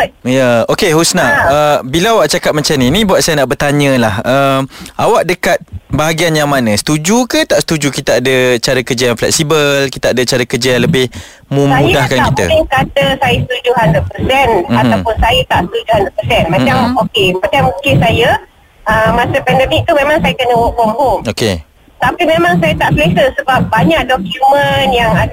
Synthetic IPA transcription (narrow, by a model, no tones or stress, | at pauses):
jaokeɦusnaəbiləawaʔ̚t͡ʃakat̪̚mãt͡ʃamninĩbuat̪̚sajənaʔbərt̪aɲə̃lahəmʔawaʔ̚dəkat̪̚baɦaɡianjaŋmanə̃sə̥t̪ud͡ʒukət̪aʔsət̪ud͡ʒukit̪aadət͡ʃaɾəkərd͡ʒəjaŋflɛk̚sibəlkit̪aadət͡ʃaɾəkərd͡ʒəjaŋləbɪh | mə̃mudahkanit̪ə̰ɪŋkat̪əsajəsət̪ud͡ʒuɦand̪əpəsɛnat̪awpʊnsajət̪aʔsət̪ud͡ʒuhand̪əpəsɛnmãt͡ʃamokepat͡ʃamũŋkɪnsajə | ʔəmːasəpɛndɛmik̚t̪umemãŋsajəkənəwɔʔbɔŋɦumoke | t̪apimemãŋsajət̪aʔplesəsəbap̚baɲak̚dɔkjumənjaŋa